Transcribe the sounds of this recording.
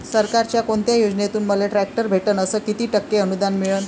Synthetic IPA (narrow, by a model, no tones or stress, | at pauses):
səɾkaɾt͡ɕjakoɳt̪jajod͡ʑnet̪uːnməleʈɾæk̚ʈəɾbʱeʈənəsəːkit̪iːʈəkːeənud̪anmiɭəːn